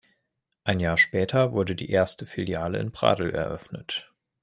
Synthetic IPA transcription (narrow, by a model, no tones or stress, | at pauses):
ʔaɪnjaːɐʃpɛːtʰɐvʊɐdədḭːʔeːɐstəfiljaːlə̰ɪ̰nbʁ̥a̰ːdl̩ɛ̰ɐʔœfnət